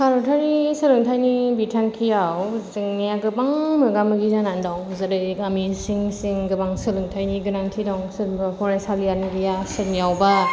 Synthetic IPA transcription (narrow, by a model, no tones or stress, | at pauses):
kʰaɾɔtʰaɾisɯlɯŋtʰajnibitʰaŋkʰijawziŋnijaɡɯbaŋmɯɡamɯɡizanandɔwŋzɯdɯɡamisiŋsiŋɡɯbaŋsɯlɯŋtʰajniɡɯnantʰidɔŋsɯmbapʰɔɾasalijaniɡijasɯmjawba